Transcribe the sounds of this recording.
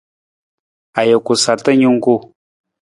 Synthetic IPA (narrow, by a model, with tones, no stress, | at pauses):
a˨jə˨ku˨sa˨tə˦ɲu˦ŋ˦ɡu˦